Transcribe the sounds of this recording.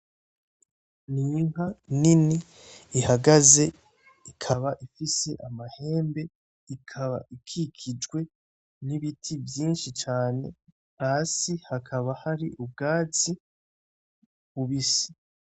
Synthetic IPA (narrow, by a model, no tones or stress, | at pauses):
niːŋ̥ɦaniniː | haɡaze̞ | ikʰaβaʔifise̞ʔamahe̞ːmbe̞ | ikʰaβa̰ʔikʰikʰid͡ʒɡwe̞ | niβitʰivjiːnʃit͡ʃaːne̞̰ | asihakʰaβahaɾiʔub̚ɡaːt͡si | βuβisi̥